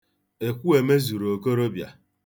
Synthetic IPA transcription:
e˨kʷu˦e˨me˦zu˨ɾo˨ko˦ɾo˦bja̰˨

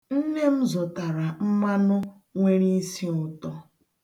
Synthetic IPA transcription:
n̩˦ne˦m̩˦zɔ˨ta˨ɾa˨m̩˦ma˦nʊ˦ | ŋʷe˦ɾi˦si˦ʊ˨tɔ˦

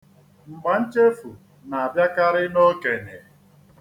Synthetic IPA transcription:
ŋ͡m̩˨ɡ͡ba˨n̩˦t͡ʃe˦fu˨ | na˨a˨bja˦ka˦ɾɪ˦no˦ke˨ne˨

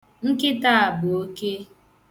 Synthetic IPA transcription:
ŋ̩˦kɪ˦ta˦a˨bʊ˨o˦ke˦

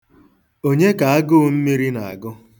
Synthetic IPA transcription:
o˦ɲe˦ka˨a˦ɡʊ˦m̩˦mi˦ɾi˦na˨a̰˨ɡʊ˦

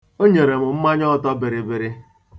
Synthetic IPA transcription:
o˦ɲe˨ɾe˨mʊ˨m̩˦ma˦ɲɔ˦˨tɔ˦bɪ˨ɾɪ˨bɪ˨ɾɪ˦

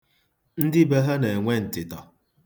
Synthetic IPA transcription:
n̩˦dɪ˦be˦ɦa˦ne˨e˨ŋʷe˦n̩˨tɪ˨tɔ˨

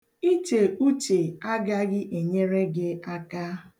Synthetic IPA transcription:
i˦te˨u˦t͡ʃe˨a˦ɡa˦ɡɪ˦ʔe˨ɲe˦ɾe˦ɡɪ˦a˦ka˦

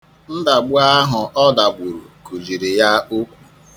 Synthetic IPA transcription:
n̩˦da˨ɡ͡bʊ˦a˦ɦʊ˨ʔɔ˦da˨ɡ͡bʷu˨ɾṵ˨ku˨zi˨ɾi˨ja˦o˦kʷu̥˨

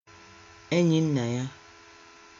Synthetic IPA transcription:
e˦ɲi˦n̩˦na˨ja˦

